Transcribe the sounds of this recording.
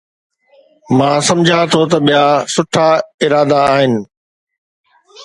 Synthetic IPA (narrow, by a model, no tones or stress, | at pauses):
mãːsɐ̃md͡ʑʱãt̪ʰot̪ɐɓijasʊʈʰaɪɾaːd̪aːɦɪnɪ̆